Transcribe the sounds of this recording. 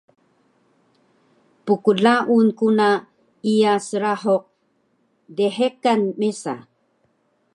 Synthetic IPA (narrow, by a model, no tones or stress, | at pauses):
pukuɮaʔunkuna | ijasəɾaħoq̚ | deħekanmesa̰